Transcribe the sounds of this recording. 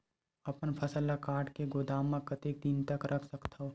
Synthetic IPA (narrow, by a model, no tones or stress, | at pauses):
ɐpənpʰɐsəlːakaːʈkeɡoːd̪aːmːãkɐt̪eːk̚d̪ɪnt̪əkɾʔɐkʰsəkt̪ʰao